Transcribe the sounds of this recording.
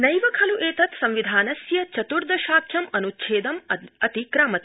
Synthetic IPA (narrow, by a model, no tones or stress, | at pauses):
nɐjʋɐkʰɐluʔeːt̪ɐt̪sɐ̃mʋid̪ʱaːnɐsjɐt͡ʃɐt̪uɾd̪ʱɐʃaːkʰjɐmɐnut͡ʃʰeːd̪ɐmɐt̪ikɾaːmɐt̪